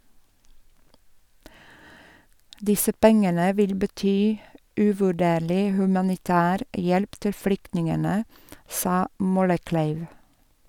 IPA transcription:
ˈdɪsə ˈpɛŋənə ˈʋɪl bəˈtyː ʉʋʉˈɖeːɭɪ hʉmɑnɪˈtæːɾ ˈjɛlp ˈtɪl ˈflʏktnɪŋənə ˈsɑː ˈmɔləˌklæɪʋ

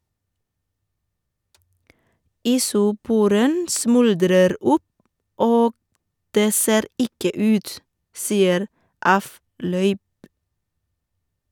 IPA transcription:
iːsʊˈpuːɾən ˈsmʉldɾəɾ ˈʊp ˈoːɡ ˈdeː ˈseːɾ ˈɪkə ˈʉːt ˈsiːəɾ ˈɑˌflœʏp

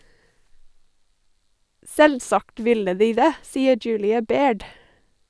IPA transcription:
ˈsɛlˌsɑkt ˈʋɪlə ˈdiː ˈdeː ˈsiːə ˈd͡ʒʉːlɪɑ ˈbeːɖ

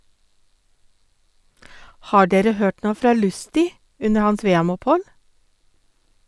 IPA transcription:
ˈhɑː ˈɖeːɾə ˈhøːʈ ˈɳoː ˈfɾɑː ˈlʉstɪ ˈʉnə ˈhɑns ˈʋeːɛmʊpˌhɔl

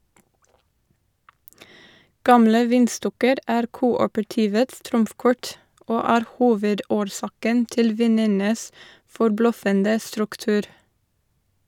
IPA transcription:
ˈɡɑmlə ˈʋiːnˌstɔkəɾ ˈæːɾ ˈkuːɔpəɹˌtiːʋəts ˈtɾʊmfˌkɔɹt ˈoː ˈæːɾ ˈhuːʋəˌdoːɾˌsɑːkən ˈtɪl ˈʋiːnənəs fɔɾˈblœfəndə stɾʉkˈtʉːɾ

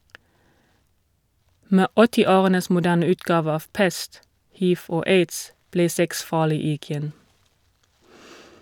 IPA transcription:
ˈmeː ˈɔtɪˌoːʁənəs mʊˈdæːn ˈʉːtɡɑːʋ ˈɑːʋ ˈpɛst ˈhiːʋ ˈoː ˈeɪds ˈbleː ˈsɛks ˈfɑːlɪ ɪˈɡjɛn

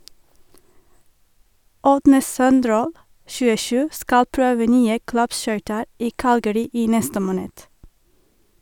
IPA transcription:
ˈʔɔdnə ˈsœnˌdɾoːl ʃʉːəˈʃʉː ˈskɑl ˈpɹøːʋə ˈnyːə ˈklɑpˌʃœʏtəɹ ˈʔiː ˈkɑlɡəɾɪ ˈiː ˈnɛstə ˈmoːnəd

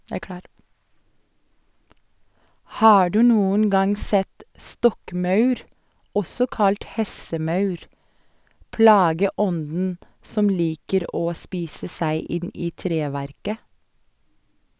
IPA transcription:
ˈhɑː ˈɖʉː ˈnuːən ˈɡɑŋ ˈsɛt ˈstɔkˌmɑʉɾ ˈɔsɔ ˈkɑlt ˈhɛsəˌmɑʉɾ ˈplɑːɡəˌɔndn̩ ˈsɔm ˈliːkəɾ ˈoː ˈspiːsə ˈsæɪ ˈɪn ˈiː ˈtɾeːˌʋæɾkə

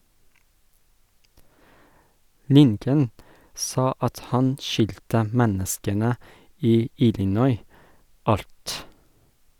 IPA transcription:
ˈlɪŋkən ˈsɑː ˈɑt ˈhɑn ˈʃʏltə ˈmɛnəskənə ˈiː ˈɪlɪˌnɔʏ ˈɑlt

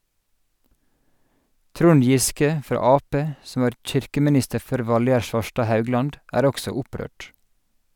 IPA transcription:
ˈtɾʊn ˈjɪskə ˈfɾɑː ˈɑːˌpeː ˈsɔm ˈʋɑːɾ ˈc͡çɪɾkəmɪˌnɪstə ˈføːɾ ˈʋɑlˌjæɾ ˈʃʋɑʃʈɑː ˈhɑʉˌɡlɑnd ˈʔæːɾ ˈɔksɔ ˈʊˌpɾøːʈ

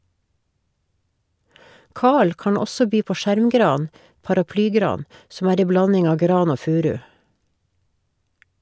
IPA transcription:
ˈkɑːɭ ˈkɑːɳ ˈɔsɔ ˈbyː ˈpoː ˈʃæɾmˌɡɾɑːn pɑɾɑˈplyːˌɡɾɑːn sm̩ ˈæːɾ ˈeɪ ˈblɑnɪŋ ˈɑːʋ ˈɡɾɑːn ˈoː ˈfʉːˌɾʉː

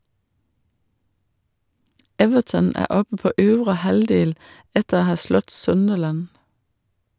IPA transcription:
ˈɛʋəʈən ˈæː ˈɔpə ˈpoː ˈøːʋɾə ˈhɑldeːl ˈɛtəɾ ˈhɑː ˈslɔt ˈsœndəlæn

